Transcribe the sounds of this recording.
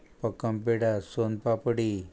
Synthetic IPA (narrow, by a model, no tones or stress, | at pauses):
pəkəmpeɽasonpapəɽi